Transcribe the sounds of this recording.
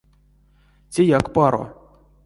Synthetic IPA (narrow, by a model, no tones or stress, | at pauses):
tʲejakpɑɾo̰